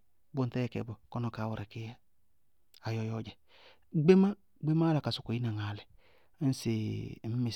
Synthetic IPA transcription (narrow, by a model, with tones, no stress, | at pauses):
bo˦n˦tɛ˦jɛ˨kɛ̰˨bo˨kɔ˦no˨kaː˨˦wo˨ɾe˨kɪ˦ja˦ | a˨jɔ˦jɔ˦d͡ʒɛ˨ | ɡ͡be˦ma˦ | ɡ͡be˦ma˦la˨ka˨sʊ˨ko˨i˦na˨ŋa˨lɛ˨˦ | n̩˦se˨˦mɪ˨